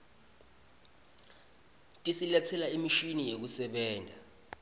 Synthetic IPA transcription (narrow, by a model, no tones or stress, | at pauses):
tʼisilɛt͡sʰɛlaimiʃinijek̬usɛɓɛːndʱa